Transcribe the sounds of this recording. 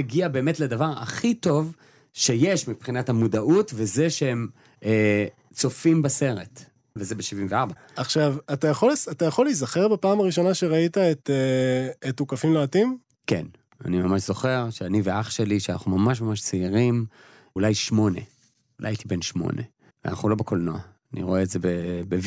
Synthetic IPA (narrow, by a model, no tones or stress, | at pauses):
eɡiabeːmetledavaʁa̰χito̞v | ʃe̞jeʃmipχinathamudaʔutvezeʃeem | e | t͡so̞fimbase̞ʁet | vezebeʃivimveaʁba | aχʃavatajaχo̞lesatajaχo̞lizaχe̞ʁbapaːmaʁiʃo̞naʃeʁaitaet̪eetːukafimloatim | kḛn | a̰nimamaʃz̥o̞χe̞ʁʃeaniveaχʃe̞liʃeana̰χnumamaʃ̬mamaʃt͡siiʁim | ulajʃmo̞nḛ | ulajait̪ibenʃmo̞̰nḛ | vḛa̰na̰χnulo̞bekʰolnoaːnḭʁo̞e̞ːtzebebev